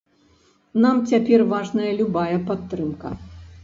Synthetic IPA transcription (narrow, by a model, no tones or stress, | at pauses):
namt͡sʲapʲɛrvaʐnɐjɐlʲubajɐpat̪ːɾɨmkɐ̰